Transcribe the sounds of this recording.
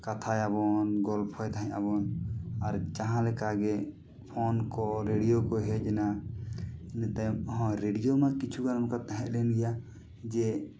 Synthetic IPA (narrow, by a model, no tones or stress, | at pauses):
kat̪ʰajabɔnɡɔlpʰɔjt̪ʰaɦɛ̃aβɔnaɾd͡ʒaɦãlɛkaɡɛ | pʰɔnkɔɾeɖijokɔɦɛd͡ʒɛna | int̪ajmɦɔ̃ɾeɖijomakit͡ʃʰuɡaɾamkat̪aɦɛ̃ʔlɛnɡɛja | d͡ʒɛ